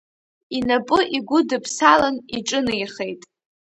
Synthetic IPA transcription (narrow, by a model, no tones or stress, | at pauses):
inapʼɨʔiɡʷʊdɨpʰsalaniʈ͡ʂʼɨnɨjχejtʼ